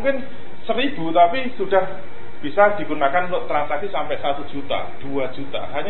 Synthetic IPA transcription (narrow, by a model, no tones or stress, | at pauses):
uŋkɪn | səɾib̥ut̪apisuɖ̥a̤h | b̥isad̪̥i̤kunakanloʔt̪ɾansaksisampɛʔsat̪ud͡ʒ̥ʒ̥ut̪a̰d̪̥uḁd͡ʒ̥ut̪a̰ɦaɲa